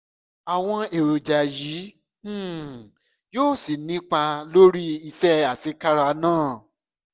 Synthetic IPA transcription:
a˨w̃ɔ̃˧e˨ɾo˨d͡ʒa˨jĩː˨˦˨ | joː˦˨si˨nĩ˦k͡pa˧lo˦ɾi˦i˧sɛ˦a˨si˨˦ka˦ɾa˧nãː˦˨

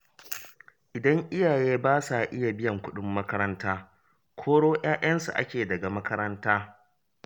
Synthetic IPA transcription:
ʔɪ˨dɐ˦ŋʔɪ˦jaː˨jeː˦baː˦sa˨ʔɪ˦ja˨bɪ˦jɐ˨ŋkʷʊ˦ɗʊ˦mːɐ˦kɐ˦ɾɐ˦ntaː˦ | kʷʰoː˦ɽoː˦j̰aː˦j̰ɐ˦nsṵ˨ʔa̰˦kʲeː˨dɐ˨ɡa˨mɐ˦kɐ˦ɾɐ˦ntaː˦

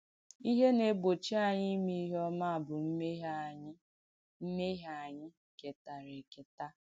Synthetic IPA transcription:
i˦ɦe˦ne˨ɡ͡bo˨t͡ʃi˦a˨ɲɪ˦mi˦ɦɔ˦ma˦a˨bʊ˨m̩˦me˦ɦa˦˨ɲ˦ | m̩˦me˦ɦa˨ɲɪ˦ | ke˨ta˨ɾe˨ke˨ta˦

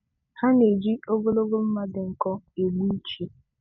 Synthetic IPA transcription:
ha˦ne˨d͡ʒi˦o˦bo˦lo˦ɡo˦m̩˦ma˦dɪ˨ŋ̩˨kɔ˦e˨ɡ͡bu˦t͡ʃi˦

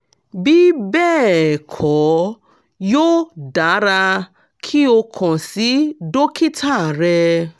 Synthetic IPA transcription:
bi˦bɛː˦˨kʰɔ˨˦ | joː˦da˨˦ɾa˧ | kʰi˦o˧kʰɔ̃˨si˦do˦ki˦tʰa˦˨ɾɛ˧

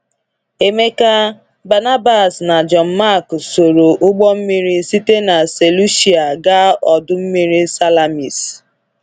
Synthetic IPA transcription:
e˨me˦ka˦ | ba˨na˦ba˨sna˨d͡ʒɔ˨n̩˨˦ma˦˨kso˨ɾo˨ʔʊ˦ɡ͡bɔ˦m̩˦mi˦ɾi˦si˦te˦na˨se˨lu˦ʃi˨a˨ɡa˦ɔ˨dʊ˦m̩˦mi˦ɾi˦sa˦la˨mi˨s

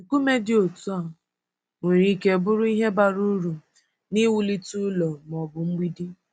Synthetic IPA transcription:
ku˦me˦dɪ˦o˨tu˦a˨ | ŋʷe˨ɾi˦ke˨bʊ˦ɾʊ˦i˦ɦe˦ba˦˨ɾu˦ɾu˨ | ni˦wu˦li˦tu˦lɔ˨m˨ɔ˨bʊ˨ŋ͡m̩˦ɡ͡bi˦di˦

